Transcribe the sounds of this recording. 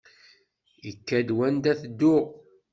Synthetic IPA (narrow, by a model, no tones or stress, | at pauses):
ikːæd̪wænd̪æθd̪ːʊʁ